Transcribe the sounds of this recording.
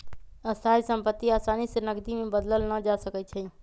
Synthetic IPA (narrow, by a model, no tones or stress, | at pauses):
əst̪ʰajsə̃mpət̪ːiasanisenəɡd̪imebəd̪ləlnəd͡ʒasəkɛt͡ʃʰɛ